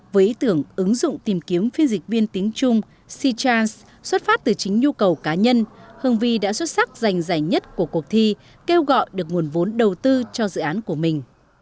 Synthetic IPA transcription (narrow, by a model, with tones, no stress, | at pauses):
vəː˨˦jʔi˨˦t̪ɨ˧˩əŋʔɨ˨˦ŋzʊ̰˧˨ŋ͡mt̪i˨˩mki˨˦əmfi˧ənzï˨˩k̟̚vi˧ənt̪i˨˦əŋt͡ɕʊ˧ŋ͡m | si˧t͡ɕaː˧ns | swə˦˥t̚faː˦˥p̚t̪ɨ˨˩t͡ɕï˨˦ŋ̟ɲu˧kə˨˩wkaː˨˦ɲə˧nhɨ˨˩əŋvi˧ɗa̰ː˧˥swə˦˥t̚sa˦˥k̚za˨˩jŋ̟za˧˩jŋɲə˦˥t̚ku˧˩əku˨˩ək̚t̪ʰi˧ | ke˧wɣɔ̰˧˨jɗɨ˨˩ək̚ŋu˨˩ənvo˨˦nɗə˨˩wt̪ɨ˧t͡ɕɔ˧zɨ̰˧˨ʔaː˨˦nku˧˩əmï˨˩ŋ̟